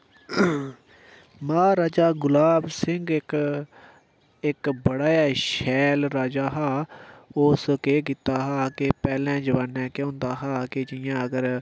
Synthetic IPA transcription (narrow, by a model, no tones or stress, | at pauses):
mãːɾaːd͡ʒaːɡʊlaːbsɪŋɡɪk | ɪkbəɽaːjaːʃɛːlɾaːd͡ʒaːɦaːoːskeːkɪːt̪ːaːɦaːkepɛːlɛ̃ːd͡ʒəʋaːnːɛ̃ːkõːnd̪aːɦaːkɪd͡ʒɪjãːəɡəɾ